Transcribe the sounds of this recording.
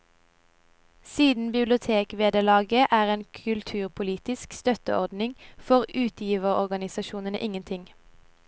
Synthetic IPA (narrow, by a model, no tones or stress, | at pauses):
siːd̪n̩bɪblɪʊt̪ʰeːkʋeːd̪əʁlɑːɡəʔæːʁeːnkʰʉlt̪ʰʉːʁpʰʊliːt̪ɪskst̪œt̪əʔɔʁd̪nɪŋfɔʁʉːt̪ʰjiːʋəʁɔʁɡɑnɪsɑʃuːnənə̰ʔɪŋənt̪ʰɪŋ